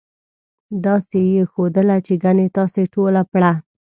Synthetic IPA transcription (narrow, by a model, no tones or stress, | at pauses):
d̪ɑsejexod̪əlat͡ʃeɡanet̪ɑseʈolapɽa